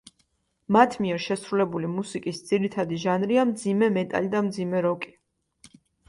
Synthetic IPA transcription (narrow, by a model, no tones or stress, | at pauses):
mat̪ʰmiɛɾʃɛsɾulɛbulimusikʼisd̪z̥iɾit̪ʰad̪iʒanɾiamd̪zimɛmɛt̪ʼa̰lid̪amd̪zimɛɾɔkʼi̥